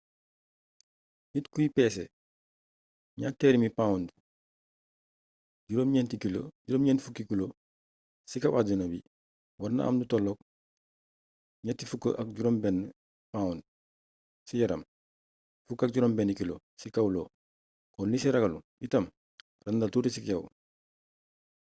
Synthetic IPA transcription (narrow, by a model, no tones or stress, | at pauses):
ɲitkujipeːsḛ | ɲateːɾimipãːund | ɟuɾoːmɲeːntikilo̰ɟuɾoːmɲeːntfukikilo | sikawad͡ʒinobi | waɾna̰ʔa̰ːmdutolːok̚ | ɲatifukə̰ʔak̚ɟuɾoːmben | pãund | sijɐɾɐm | fukːak̚ɟuɾombenikilo̰ | sikawlo | konnisiɾɐɡalu | itɐm | rɐndaltuːtisikew